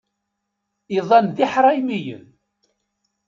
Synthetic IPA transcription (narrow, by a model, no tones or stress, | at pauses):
iðˤɑnðiħɾˤɑjmijə̰n